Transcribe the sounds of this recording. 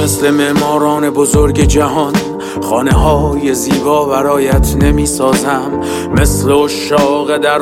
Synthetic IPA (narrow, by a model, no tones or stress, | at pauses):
esle̞meʔmɒːɾɒːne̞bozoɾɟe̞d͡ʒæɦɒn | χɒːne̞ɦɒːje̞ziːbɒːvæɾɒːjæt̪ʰne̞miːsɒːzæmː | e̞sleoʃɒːɣe̞d̪æɾ